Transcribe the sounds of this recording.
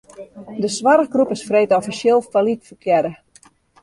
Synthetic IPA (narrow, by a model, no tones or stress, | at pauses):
dəsʋaɾəɣɡrupɪsfreːtɔfiselˠfalitfəkʰjɛdə